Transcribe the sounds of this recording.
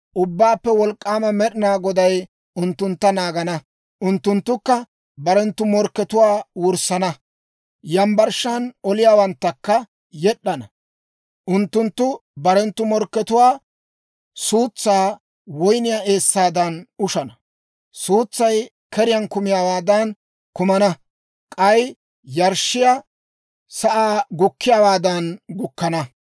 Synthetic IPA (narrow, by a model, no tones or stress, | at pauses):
ʔʊbːaːpːɛwɔlkʼːaːmɐmɛɗɪnaːɡɔd̪ɐj | ʊnt̪ːʊnt̪ːɐnaːɡɐnɐ | ʔʊnt̪ːʊnt̪ːʊkːɐ | bɐɾɛnt̪ːʊmɔɾkːɛt̪ʊwaːwʊɾsːɐnɐ | jɐmbɐɾʃːanɔlɪjaːwɐnt̪ːɐkːɐ | jɛɗːɐnɐ | ʔʊnt̪ːʊnt̪ːʊbɐɾɛnt̪ːʊmɔɾkːɛt̪ʊwaː | suːt͡sːaː | wɔjnɪjaːe̞ːsːaːd̪ɐnʊʃɐnɐ | suːt͡sːɐj | kɛɾɪjɐnkʊmɪjaːwaːd̪ɐn | kʊmɐnɐ | kʼɐj | jɐɾʃːɪja | sɐʔaːɡʊkːɪjaːwaːd̪ɐnɡʊkːɐnɐ